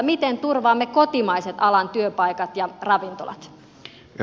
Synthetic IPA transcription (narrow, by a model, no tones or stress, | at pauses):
mit̪ent̪urʋɑːmːekot̪imɑiset̪ɑlɑnt̪yøpɑjkɑt̪jɑrɑʋint̪o̰lɑ̰t̪